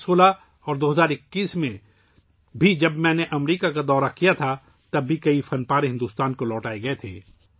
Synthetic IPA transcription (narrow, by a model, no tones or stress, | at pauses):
soːla | ɔːɾd̪oːɦɐzaːɾɪkːiːsmẽ | bʱid͡ʒɐbmɛ̃ːneʔɐmɾiːkakad̪ɔːɾakijat̪ʰa | t̪ɐbːikɐifɐnpaːɾeɦɪ̃nd̪uːst̪aːnkolɔːʈaːeɡɐet̪ʰḛː